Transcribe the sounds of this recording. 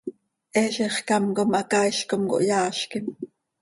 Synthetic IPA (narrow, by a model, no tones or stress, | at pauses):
ʔɛːʃiχkɑmkomʔɑkɑiʃkomko̰ʔjɑːʃkim